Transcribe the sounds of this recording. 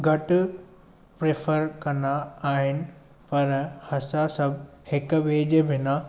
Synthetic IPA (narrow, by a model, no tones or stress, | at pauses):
ɡʱɐʈ | pɾefʰəɾkɐnaaːɦɪnɪ̆ | pɐɾhɐsasɐb | hɪkʋeːd͡ʑebʱɪna